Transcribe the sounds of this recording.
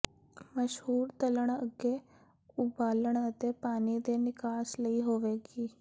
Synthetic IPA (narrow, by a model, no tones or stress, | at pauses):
məʃhuːɾt̪ələɳ̃əɡeː | ʊbaːləɳ̃ət̪eːpaːniːd̪eːnɪkaːsləiːɦoːʋeːɡiː